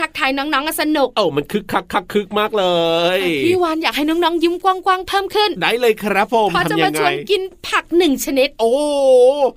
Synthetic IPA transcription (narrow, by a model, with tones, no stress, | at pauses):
a˦˥k̚t̪ʰaː˧jnɔː˦˥ŋnɔː˦˥ŋʔa˨˩sa˧nu˨˩k̚ʔa˧˩wma˧nkʰɯ˦˥kʰːa˦˥kʰːa˦˥kʰːɯ˦˥k̚maː˥˩k̚lɤː˧jiː˨˧˩waː˧njaː˨˩k̚ha˥˩jnɔː˦˥ŋnɔː˦˥ŋjɯ˦˥mkwaː˥˩ŋkwaː˧˥˩ŋpʰɤː˥˩mkʰɯ˥˩ndaː˥˩jlɤː˧jkʰɾa˦˥pʰːo˨˧˩pmʰɔ˧˩a˧a˧mjama˧ŋːt͡ɕʰa˧jnki˧npʰa˨˩k̚nɯ˨˩ŋt͡ɕʰa˧ne˦˥t̪̚ʔoː˧˩